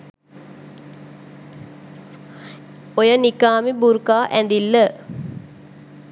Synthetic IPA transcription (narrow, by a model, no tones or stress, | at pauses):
ojənikaːmibuɾkaːʔænd̪ilːə